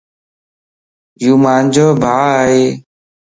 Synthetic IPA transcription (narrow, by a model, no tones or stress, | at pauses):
juːmaːnd͡ʒoːbʱaːaːɦeː